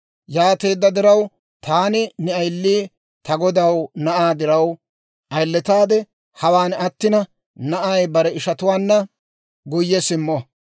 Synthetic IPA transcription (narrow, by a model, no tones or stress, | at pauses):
jaːt̪e̞ːd̪ːɐd̪ɪɾɐw | t̪aːnɪnɛɐjlːiː | t̪ɐɡɔd̪ɐwnɐʔaːd̪ɪɾɐw | ʔɐjlːɛt̪aːd̪ɛ | hɐwaːnɐt̪ːɪnɐ | nɐʔajbɐɾɛɪʃɐt̪ʊwaːnːɐ | ɡʊjːɛsɪmːɔ